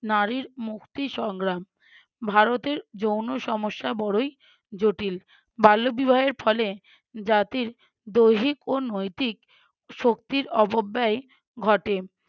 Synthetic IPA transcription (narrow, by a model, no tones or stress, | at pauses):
naɾiɾmukt̪iʃɔŋɡɾam | bʱaɾot̪eɾd͡ʑownoʃɔmoʃːabɔɽoj | d͡ʑoʈil | balːobibʱaeɾfʰɔle | d͡ʑat̪iɾ | d̪ojɦikonojt̪ik̚ | ʃokt̪iɾɔbobːae | ɡʱɔʈe